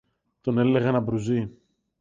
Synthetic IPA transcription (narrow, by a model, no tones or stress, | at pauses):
t̪o̞ne̞le̞ɣɐnɐbɾuzi